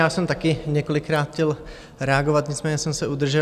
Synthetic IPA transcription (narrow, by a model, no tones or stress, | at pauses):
jaːsɛmt̪akɪɲɛkolɪkɾaːt̪xcɛl | ɾɛaɡovat̪ɲɪt͡smɛːɲɛsɛmsɛud̪r̩ʒɛ